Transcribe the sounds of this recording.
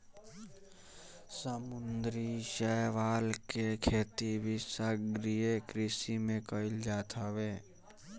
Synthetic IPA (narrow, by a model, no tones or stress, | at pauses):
səmʊnd̪ɾiʃəʋaːlkekʰeːt̪ibʱisaɡɾijekɾɪsimẽkəɪld͡ʒaːt̪ʰaʋeː